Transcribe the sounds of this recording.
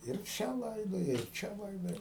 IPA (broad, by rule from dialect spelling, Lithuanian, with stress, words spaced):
ɪr ˈt͡ʃʲɛ ˈlˠɐɪdoːjɛ ɪr ˈt͡ʃʲɛ ˈlˠɐɪdoːjɛ